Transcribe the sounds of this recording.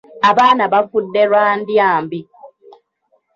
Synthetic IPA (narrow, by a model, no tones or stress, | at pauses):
aβaːnaβafudːeɾwaːndjaːmbi